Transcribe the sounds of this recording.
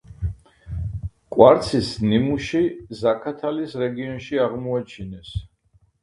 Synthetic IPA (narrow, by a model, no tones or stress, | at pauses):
kʼwaɾt̪sʰisnimuʃizakʰat̪ʰalisɾɛɡiɔnʃiaʁmɔat͡ʃʰinɛs